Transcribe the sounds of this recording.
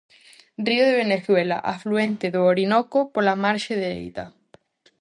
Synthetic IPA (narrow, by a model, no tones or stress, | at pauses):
rioðeβeneθwela̰ʔafluent̪eðooɾinokopolamaɾʃeðeḛjt̪a̰